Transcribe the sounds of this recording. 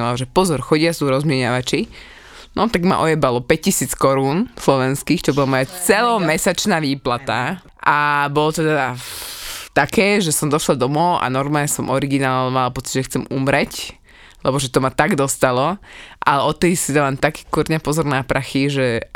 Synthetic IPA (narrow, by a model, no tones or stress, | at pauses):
lalʒɛpɔzɔɾxɔɟɪasuɾɔzmɪɛɲaʋat͡ʃi | nɔt̪aɡma̰ʔɔjɛbalɔpɛc̚cisiːt͡skɔɾuːnslɔʋɛnskiːxt͡ʃɔbɔlamɔjat͡sɛlɔmɛsat͡ʃnaːʋiːplat̪a | ʔabɔlɔt̪ɛd̪a | t̪akɛːʒɛsɔmd̪ɔʃlad̪ɔmɔʊʔa̰nɔɾmalɲɛsɔmɔɾiɡinaːlmalapɔt͡si̥ɟʒɛxt͡sɛmumɾɛc | lɛbɔʒɛt̪ɔmat̪aɡd̪ɔst̪alɔʔalɛɔt̪ːɛssid̪alamt̪aki̥ːkuɾɲapɔzɔɾnapɾʔaxiʒɛ